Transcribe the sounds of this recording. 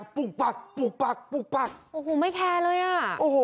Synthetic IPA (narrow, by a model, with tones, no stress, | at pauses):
pu˧˩k̚k͡pa˧˩k̚pu˧˩k̚pa˧˩k̚pu˧˩k̚pa˧˩k̚ʔoː˨˩ɦoː˨˩˦ma˥˩jkʰɛː˧lɤː˧jʔa˧˩ʔoː˨˧˩ho˨˦